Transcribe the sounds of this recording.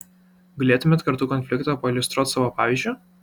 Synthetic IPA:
ɡɐlʲeːt̪ʊmʲɛt̪kɐɾt̪uːkɔnʲfʲlʲɪkt̪oːpɐilʲʊst̪ɾuɔt̪ʲsɑːʋoːpɑːʋʲiˑzʲd͡ʒʲʊ

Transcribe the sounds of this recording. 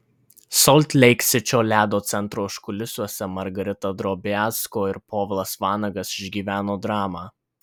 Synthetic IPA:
sɔlʲt̪ʲlʲɛɪksʲɪt͡ʃʲoːlʲæːd̪oːt̪sʲɛnt̪ɾoːʃkʊlʲɪsʲuɔsʲɛmɐɾɡɐɾʲɪt̪ɐd̪ɾoːbʲɪæːskoːɪɾpoːʋʲlˠɐsʋɑːnɐɡɐsɪʒʲɡʲiːʋʲæːnoːd̪ɾɑːmɑː

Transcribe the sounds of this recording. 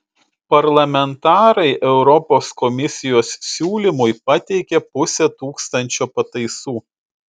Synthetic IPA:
pɐɾlˠɐmʲɛnt̪ɑːɾɐɪʔɛʊɾɔpoːskɔmʲɪsʲɪjoːssʲuːlʲɪmʊjpɐt̪ʲɛɪkʲɛpʊsʲɛt̪uːkst̪ɐnʲt͡ʃʲoːpɐt̪ɐɪsuː

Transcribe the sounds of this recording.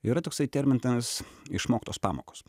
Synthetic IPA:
ɪɾɐt̪oːksɐɪt̪ʲɛɾʲmʲɪnt̪ɐsɪ̰ʃmoːkʲɪt̪oːspɑ̰ːmo̰ːkoːs

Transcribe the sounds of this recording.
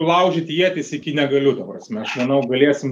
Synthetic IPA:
lˠɐʊʒʲɪt̪ʲjiɛt̪ʲɪsɪkʲɪnʲɛɡɐlʲʊt̪ɐpɾɐsʲmʲɛɐʃmɐnɐʊɡɐlʲiɛsʲɪm

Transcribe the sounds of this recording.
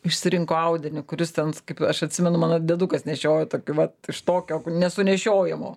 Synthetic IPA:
ɪʃʲsʲɪɾʲɪŋkoːɐʊd̪ʲɪnʲɪkʊɾʲɪst̪ʲɛnkɐɪpɐʃɐtʲsʲɪmʲɛnʊmɑːnɐd̪ʲɛd̪uːkɐsnʲɛʃʲoːjɛt̪oːkʲuʋɐt̪ɪʃt̪oːkʲoːnʲɛsʊnʲɛʃʲoːjɪmoː

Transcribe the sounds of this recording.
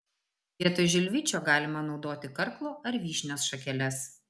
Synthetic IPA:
iɛt̪oʒʲɪlʲʋʲɪt͡ʃʲoːɡɑːlʲɪmɐnɒʊd̪oːt̪ʲɪkɐɾklˠoːʔɐɾʋʲiːʃʲnʲoːsʃɐkʲɛlʲɛs

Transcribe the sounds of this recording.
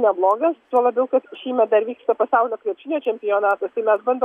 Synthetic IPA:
nʲɛblˠoːɡɐst̪uɔlˠɐbʲɛʊkɐt̪ʃʲiːmʲɛd̪ɐɾʋʲiːkst̪ɐpɐsɑʊlʲoːkʲʋʲiɛpʲʃʲɪnʲoːt͡ʃʲɛmʲpʲɪjoːnɑːt̪ɐst̪ɐɪmʲɛsbɐnd̪o

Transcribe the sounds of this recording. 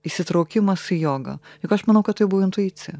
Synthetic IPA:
isʲɪt̪ɾɐʊkʲɪmɐsɪjoːɡɐ̰jʊkɐʃmɐnɐʊkɐt̪t̪ːɐɪbʊʋɐɪnt̪ʊiːt͡s̪ʲɪjɛ

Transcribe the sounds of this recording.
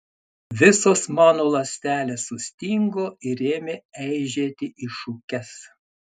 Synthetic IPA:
ʋʲɪsoːsmɑːnoːlˠɐsʲt̪ʲæːlʲeːsːʊsʲt̪ʲiŋɡoːɪɾeːmʲɪɛɪʒʲeːt̪ʲɪʔiʃuːkʲɛs

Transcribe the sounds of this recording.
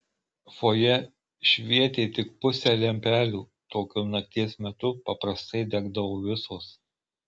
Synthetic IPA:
foːjɛ | ʃʲʋʲiɛt̪ʲeːt̪ʲɪk̚pʊsʲælʲɛmʲpʲæːlʲuː | t̪oːkʲʊnɐt̪ʲiɛsmʲɛt̪ʊpɐpɾɐst̪ɐɪd̪ʲɛɡd̪ɐʋoːʋʲɪsoːs

